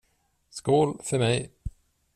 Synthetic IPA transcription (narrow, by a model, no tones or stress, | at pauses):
skuːlfœɾmɛj